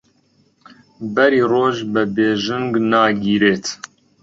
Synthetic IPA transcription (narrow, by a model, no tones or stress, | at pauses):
bɛɾiːroːʒbəbeːʒɨŋɡnɑːɡiːɾeːt̪ʰ